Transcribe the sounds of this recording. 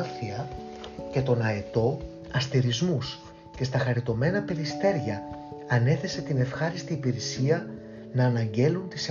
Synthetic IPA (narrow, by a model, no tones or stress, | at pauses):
θiɐce̞t̪o̞nɐet̪o̞ | ɐst̪iɾizmus | ce̞st̪ɐxɐɾit̪o̞me̞nɐpe̞ɾist̪e̞ɾʝɐɐne̞θe̞se̞t̪ine̞fxɐɾist̪iːpiɾesiɐ | nɐːnɐɲɟe̞lunt̪is